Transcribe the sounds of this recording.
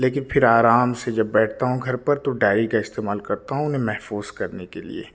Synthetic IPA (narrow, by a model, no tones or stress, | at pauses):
leːkɪnfʰɪɾaːɾaːmsed͡ʒɐbːɛːʈʰt̪aɦũɡʱɐɾpɐɾt̪oɖaːɾikaɪst̪eːmaːlkɐɾt̪aɦũʊnɦẽmɛɦfuːz̥kɐɾnekelḭḛː